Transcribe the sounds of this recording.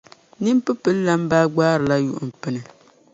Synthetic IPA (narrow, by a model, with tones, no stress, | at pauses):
nɨ˦m˦pɨ˦pɨ˦lːa˦m˦baː˦ɡ͡baː˦ɾɨ˨la˦jṵ˨ʔʊ̰˨m̩˨pɨ˦nɨ˨